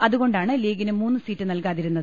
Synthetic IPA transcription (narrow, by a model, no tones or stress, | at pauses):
ɐðuɣo̞ɳɖaːɳɨliːɡinɨmuːnːɨsiːtːɨnɐlkaːðiɾunːɐðɨ